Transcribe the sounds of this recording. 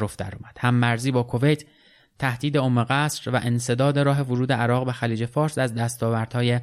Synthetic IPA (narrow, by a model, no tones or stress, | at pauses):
ɾofd̪æ̰ɾɒːmæd̪̥hæmːæɾziːbɒːkʰo̞ve̞jt̪ʰ | t̪ʰːæhd̪̥iːd̪e̞omːeɣæsɾvæʔense̞d̪ɒːd̪e̞ɾɒːɦe̞voɾuːd̪eæɾɒːɣbexæliːd͡ʒe̞fɒːɾsæzd̪æst̪ɒːvæɾd̪̥hɒːje